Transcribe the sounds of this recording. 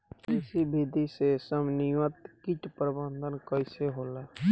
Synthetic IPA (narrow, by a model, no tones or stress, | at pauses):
kɪsibʱid̪ʱisesəmnɪjət̪kɪt͡ʃpɾəbənd̪ʱənkəiseɦoːla